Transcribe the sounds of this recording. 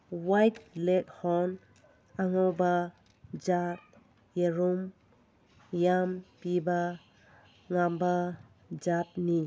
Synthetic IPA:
wajt̚lek̚hɔn | aŋɔba | d͡ʒap̚ | jeɾum | jampiba | ŋamba | d͡ʒap̚ni

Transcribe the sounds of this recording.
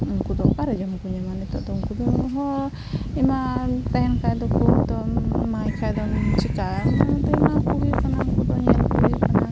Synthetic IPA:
ŋkud̪ɔkaɾɛd͡ʒamkuɲamanit̪ɔʔd̪ɔŋkud̪ɔɦɔ | imat̪ɛɦɛnkajd̪ɔkut̪ɔmajkʰajd̪ɔnt͡ʃikaat̪ɔimakuɡujukanaŋkud̪ɔɲɛnkuɡujukana

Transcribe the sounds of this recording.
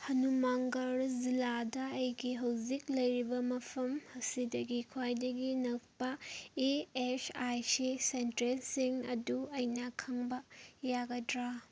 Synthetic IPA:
hɐnumaŋɡaɾziladɐːjɡiɦɐwziklɐjɾibɐmɐpʰɐmhɐsidɐɡikʰwajdɐɡinɐk̚pɐeesajsisentɾelsiŋɐ̰duɐjnɐkʰɐŋbɐjaɡɐdɾa

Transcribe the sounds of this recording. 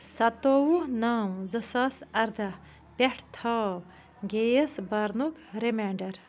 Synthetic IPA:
sɐt̪oːwunaːmzɐsaːsɐɾd̪ɐ | pʲeʈʰt̪ʰɐː | ɡeːjɐsbɐɾnukɾemeːɳɖɐɾ

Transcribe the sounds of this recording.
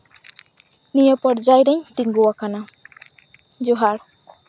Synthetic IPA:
nijɔpɔɽd͡ʒajɾɛɲt̪iŋɡuwakana | d͡ʒuɦaɾ

